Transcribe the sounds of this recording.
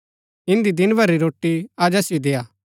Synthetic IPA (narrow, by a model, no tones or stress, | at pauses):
ɪ̃nd̪id̪ɪnbʱɐɾːiɾoːʈːiaːd͡ʒɐsjid̪eːjaː